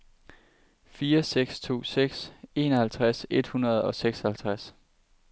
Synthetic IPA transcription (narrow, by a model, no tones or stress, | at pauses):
fiːɐseɡ̥st͡sʰo̝̰ːseɡ̥se̝ːnɒ̽hælt͡sʰʁase̝d̥hunɐð̞ˠɒ̽seɡ̥shælt͡sʰʁas